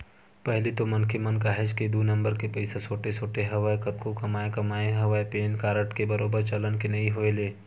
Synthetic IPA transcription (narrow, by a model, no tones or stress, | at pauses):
pɛɦlit̪omɐnkʰemɐnkaːɦed͡ʒked̪uːnɐ̃mbəɾkepɐɪsasoːʈesoːʈeɦɐʋaːekɐt̪kokɐmaːekɐmaːeɦɐʋaːepeːnkaːɾəʈkebɐɾoːbəɾt͡ʃɐlənkenɐiɦoeleː